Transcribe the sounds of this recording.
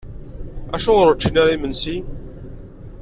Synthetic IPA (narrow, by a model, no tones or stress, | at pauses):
æʃuʁɾət͡ʃːinaɾaimənsi